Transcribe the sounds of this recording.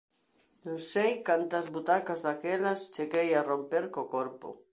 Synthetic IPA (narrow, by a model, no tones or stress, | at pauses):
nõnsejkant̪ɐzβut̪akazðakelɐst͡ʃeɣejarompeɾkokoɾpo̰